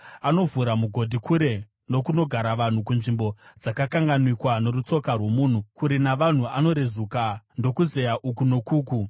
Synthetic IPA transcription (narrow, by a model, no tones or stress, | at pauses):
ano̞vuɾamuɡʱo̞dʱikʰuɾe̞ | no̞kuno̞ɡʱaɾaʋan̤ukunʐimbo̞d͡zakakaŋɡanwikwanoɾut͡so̞karwo̞muːn̤ukuɾinaʋan̤uano̞ɾezukando̞kuze̞jaʔukuno̞kuːku